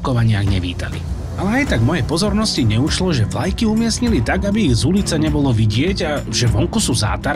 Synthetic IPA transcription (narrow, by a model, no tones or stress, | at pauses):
kɔʋaɲɪaɣɲɛʋḭːt̪a̰lḭ | alɛajt̪aɡmɔjɛjpɔzɔɾnɔsciɲɛuʃlɔʒɛʋlajkiumɪɛsɲilit̪aɡabiːɣzulit͡saɲɛbɔlɔʋiɟɪɛɟa | ʒɛʋɔŋkusuːza̰ːt̪aɾ